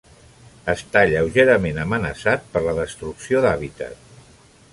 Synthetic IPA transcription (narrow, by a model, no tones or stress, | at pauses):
əst̪aʎəwʒeɾəmenəmənəsat̪̚pəɾləðəst̪ɾuksioðaβit̪ə̰t̪̚